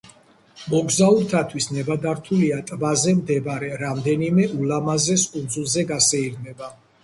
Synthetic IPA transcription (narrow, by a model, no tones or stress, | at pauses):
mɔɡzauɾt̪ʰat̪ʰwisnɛbad̪aɾt̪ʰuliat̪ʼvazɛmd̪ɛbɾɛɾamd̪ɛnimɛʔulamazɛskʼund̪zulˠzɛɡasɛiɡmɛba